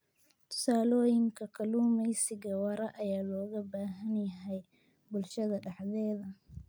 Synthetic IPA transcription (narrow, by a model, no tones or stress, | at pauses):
t̪ʰʊ̥saːlɔːjɪŋkʰɐkʰɐluːmɛjsɪɣɐwɐɾɐʔɐjaːlɔːɣɐbaːɦɐnjɐɦɛj | bʊlʃɐðɐɖɑħðɛːðɐ